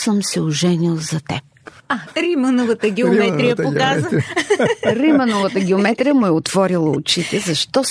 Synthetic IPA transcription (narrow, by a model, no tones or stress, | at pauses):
səmsɛʊʒɛnilˠzɐt̪ɛ̰p̚ | aɾimənovət̪əɡʲɛʊmɛt̪ɾijɐokaz | ɾimənovət̪əɡʲɛʊmɛt̪ɾijəmʊɛot̪vɔɾilˠəʊ̰t͡ʃit̪ɛzɐʃt̪ɔ